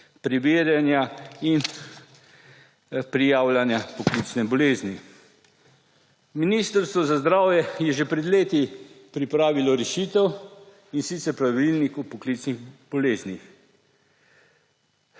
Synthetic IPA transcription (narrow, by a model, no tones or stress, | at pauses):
pɾiʋeːɾjanjain | pɾijaːwlanjapɔklit͡snɛbɔleːzni | miniːst̪əɾst̪ʋɔzazd̪ɾaːwjɛjɛʒepɾɛd̪leːt̪ipɾipɾaːʋilɔɾɛʃiːt̪ɛw | insit̪sɛɾpɾaʋilnikupɔklit͡sniɣb̥ɔleːznix